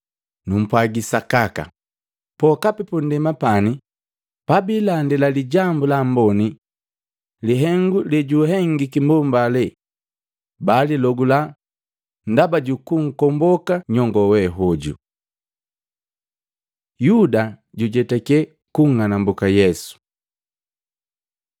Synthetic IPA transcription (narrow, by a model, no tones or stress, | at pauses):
num̩pwaɡisakaka̰ | pɔkapipun̩dɛmapani | pabilandɛlaliɟambulambɔni | liɦɛŋɡulɛɟuɦɛŋɡikimbɔmbalɛ | balilɔɡula | ndabaɟukuŋ̩kɔmbɔkaɲɔŋɡɔwɛɦɔɟṵ | judaɟuɟɛtɛkɛ | kuŋːanambukajɛsu̥